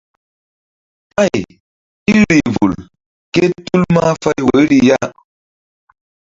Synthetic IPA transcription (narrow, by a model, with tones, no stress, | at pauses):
a˦˨j | i˦ɾi˨vu˨l | ke˦tu˦lma˦fa˦jwə˨˦ɾi˦ja˦